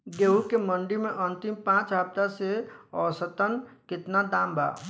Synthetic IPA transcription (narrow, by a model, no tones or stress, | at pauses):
ɡeɦukeməɳɖimẽʔənt̪impãːt͡ʃɦab̚t̪aseɔːsət̪ənkɪt̪nad̪ãːmba̰